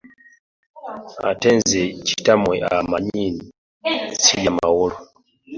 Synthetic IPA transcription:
a̰tɛnzɛt͡ʃi̥tamwɛʔa̰maɲini | t͡sʰijamawɔlɔ

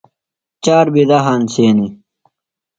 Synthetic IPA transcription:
t͡ɕaːɾbid̪aɦaːnsʰeːni

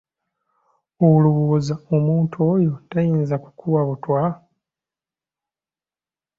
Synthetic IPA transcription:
ouluβuozaomuːntʰo̞ːjo̞tajiːnzaku̥kʰuwaβutwa

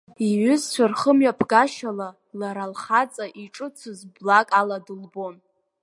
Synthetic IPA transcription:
iɥʏzt͡ɕʷʰarχəmɥapʰɡaʃala | laɾalχat͡sʼaʔiʈ͡ʂʼɨt͡sʷʰɨzblakʼaladɨlbo̞n

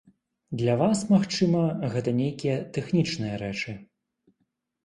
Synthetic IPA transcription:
d̪lʲɐvasmaxt͡ʂɨmɐɣɛt̪ɐnʲejkʲijɛt̪ɛxnʲit͡ʂnɨjɐɾɛt͡ʂɨ

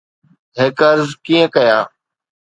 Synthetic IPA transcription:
ɦeːkəɾzkiːə̃kəjaː

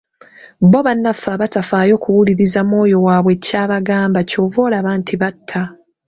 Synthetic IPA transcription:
bo̞βanːafaβatafaːjo̞ːkuwuliɾizamo̞ːjo̞waːβwe̞caːβaɡaːmbaco̞ːvo̞ːlaβaːntʰiβatʰːa

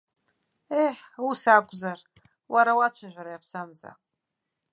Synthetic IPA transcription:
eħusakʷʼzar | wʔaɾawat͡ʃʷʰaʒᶣʷaɾajapʰsamza̰

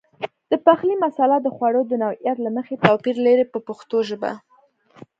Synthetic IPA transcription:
d̪̥əpaxlimasalad̪əxwaɽod̪ənawijat̪laməxet̪awpiɾleɾepəpəxt̪oʒəba̰

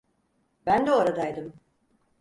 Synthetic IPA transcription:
bænd̪ɛoɾad̪ajd̪ɯm

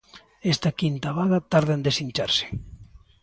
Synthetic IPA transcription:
ɛst̪ɐkint̪aβaðɐt̪aɾðɪend̪esiɲt͡ʃaɾsɪ̥

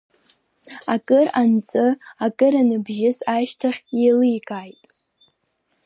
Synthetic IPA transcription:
akʼɨrant͡sʼɨakʼɨɾanɨbʒɪsaʃtʰaχʲjelɨjkʼajtʼ

